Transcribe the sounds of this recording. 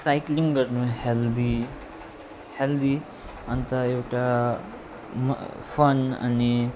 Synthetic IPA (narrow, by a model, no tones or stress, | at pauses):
sajkliŋɡɡəɾnuhɛld̪i | held̪i | ənt̪aewʈa | m̰fəna̰ni